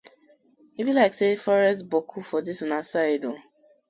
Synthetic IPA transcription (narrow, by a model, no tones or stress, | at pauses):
ibilaɪksefɔɾɛstbokʰufɔdisunasaɪdo